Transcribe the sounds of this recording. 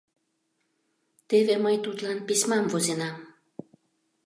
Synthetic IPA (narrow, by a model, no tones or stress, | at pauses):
t̪eβeməjt̪ut̪lɑnpisʲmɑmvozenɑm